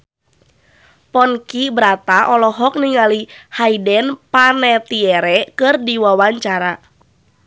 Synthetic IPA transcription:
pɔnkibɾat̪aʔɔlɔɦɔk̚niŋalihaidɛnpanɛt̪iɛɾɛkɨrdiwawaɲt͡ʃaɾa

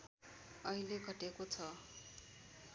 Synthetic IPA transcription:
ʌileɡʱʌʈekot͡sʰʌ

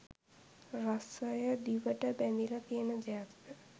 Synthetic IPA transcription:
rasəjəd̪iʋəʈəbænd̪ilək̪iənəd͡ʒajat̪tə

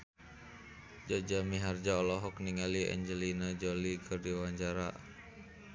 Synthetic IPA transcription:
d͡ʒɔd͡ʒamiɦard͡ʒaɔlɔɦɔkniŋaliɛ̰ɲd͡ʒəlinad͡ʒɔlikʰɨrdiwaɲt͡ʃaɾa̰

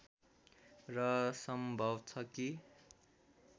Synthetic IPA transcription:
rʌsʌmbʱʌbt͡sʰʌki

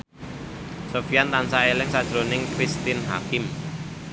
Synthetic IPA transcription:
sofijant̪ansaelɪŋsad̥ʒ̥ɾonɪŋkɾist̪inɦa̰kɪm

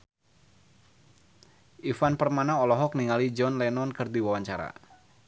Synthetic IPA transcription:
ʔifanpərmanaɔlɔɦɔkniŋalid͡ʒɔnlɛnɔnkɨrd̪iwawaɲt͡ʃaɾa̰

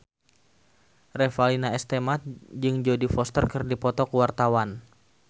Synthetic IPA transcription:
rɛfalinaɛst̪emat̪̚d͡ʒɨŋd͡ʒodifɔst̪ərkərdipɔt̪ɔkuwart̪awan

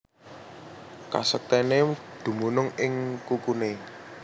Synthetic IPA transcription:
ka̰sək̚t̪ɛned̪̥ṳmunʊŋɪŋkukune

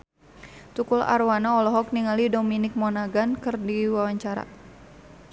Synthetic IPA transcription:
t̪ukula̰rwanaɔlɔɦɔk̚niŋalidɔminɪk̚mɔnaɡankɨrdiwawaɲt͡ʃaɾa̰

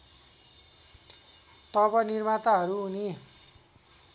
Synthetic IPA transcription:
t̪ʌbʌnirmat̪aɦʌɾuuni

